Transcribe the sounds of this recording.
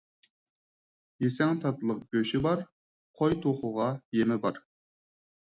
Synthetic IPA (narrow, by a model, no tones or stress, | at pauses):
jesɛŋt̪ʰɑt̪lˠəq̚ɡ̥ʲøʃɪbɑɾ | qʰojt̪ʰoχʊʁɑjemɪbɑɾ